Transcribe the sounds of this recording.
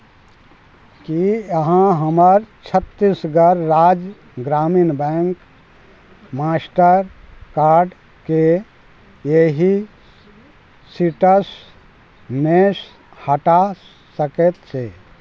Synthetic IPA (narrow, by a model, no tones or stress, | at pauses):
kijəɦãɦəməɾt͡ʃʰət̪ːisɡəɾːaːd͡ʒ | ɡɾaːminbɛ̃ːŋk | maːsʈəɾkaːɾɖ | ke | jeɦi | siʈəs | mes | həʈa | səket̪t͡ʃʰeː